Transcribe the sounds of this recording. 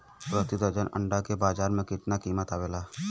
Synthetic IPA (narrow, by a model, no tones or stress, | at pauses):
pɾət̪ɪd̪əd͡ʒənə̰̃ɳɖakebaːd͡ʒaːɾmẽkɪt̪nakiːmət̪aːweːlaː